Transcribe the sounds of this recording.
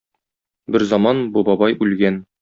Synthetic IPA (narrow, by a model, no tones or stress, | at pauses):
bɘɾzɒmɑnbubɒbɑjʉlɡæn